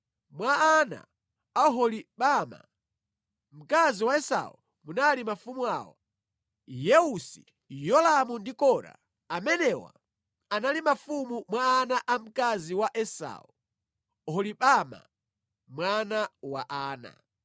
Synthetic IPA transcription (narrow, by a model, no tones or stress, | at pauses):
mwaːna̰ | aɦɔliɓama̰ | m̩kaziwaɛsa̰ṵ | munalimafumua̰ːwa̰ | jɛusḭ | jɔlamundikɔɾa̰ | amɛnɛwa̰ | analimafumumwaːnaʔam̩kaziwaʔɛsa̰ːu | hɔliɓama̰ | mwanawaʔaːna̰